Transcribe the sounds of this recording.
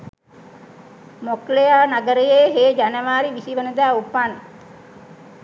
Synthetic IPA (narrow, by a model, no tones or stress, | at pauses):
moklejaːnaɡəɾəjeːɦeːd͡ʒanəʋaːɾiʋisiʋənəd̪aːupan